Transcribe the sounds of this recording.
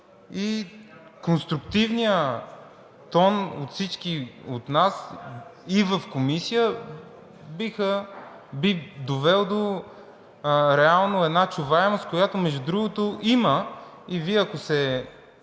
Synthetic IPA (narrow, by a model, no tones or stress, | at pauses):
i | konst̪ɾʊkt̪ivnijə | t̪ɔno̰t̪fsit͡ʃkiot̪nas | ivəfkomisijə | bixə | bid̪ovɛlˠd̪o | ɾɛalˠnoɛd̪nat͡ʃuvaɛmost̪̚kojat̪omɛʒd̪ud̪ɾuɡot̪oʔimə | iviɐkosɛ